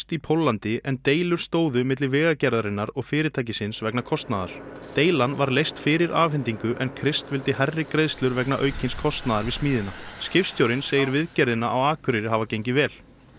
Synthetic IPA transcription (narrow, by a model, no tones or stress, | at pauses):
t̪ipʰowlːant̪ɪʔɛnt̪eːjlʏɾ̥st̪oːwðʏmɪt̪lɪvɪːɣacɛɾðaɾɪnːaɾɔɣfɪːɾɪt̪ʰaːjcɪsɪnsvɛknakʰɔst̪naðaɾ̥t̪eːjlanvaɾlejst̪fɪːɾɪɾʔaːfɪnt̪iŋkʏʔɛnkʰɾɪst̪vɪlt̪ɪɦɛrːɪkɾeðst̪lʏɾvɛknaʔœɥcʰɪnskʰɔst̪naðaɾvɪðsmiːðɪnascɪfst̪jowɾɪnseːjɪɾvɪðcɛɾðɪnaʔawaːkʰʏɾɪɾɪɦavacejɲcɪvɛːl̥